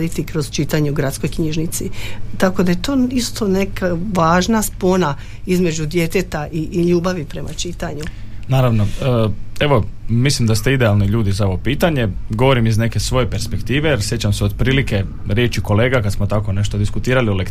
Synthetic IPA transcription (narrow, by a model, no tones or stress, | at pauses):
d̪it̪ikɾo̞zt͡ʃit̪aɲɛuɡɾat̪sko̞jkɲiʒnit̪sit̪ako̞d̪ajet̪o̞ːist̪o̞nekaʋaːʒnaspo̞na | izme̞d͡ʑud̪je̞t̪et̪aʔiʎuːbaʋipɾe̞mʔat͡ʃit̪aɲunaːɾaʋnoəːe̞ʋo̞mislimd̪ast̪eid̪ealˠniʎuːd̪izao̞ʋo̞piːt̪aɲe̞ɡo̞ʋo̞ɾimizne̞ke̞sʋo̞jepeɾspekt̪iːʋejeɾsjet͡ɕamseod̪̚pɾiːlike̞ | ɾjet͡ɕiko̞le̞ːɡakad̪smot̪ako̞ne̞ʃt̪od̪iskut̪iːɾaliolek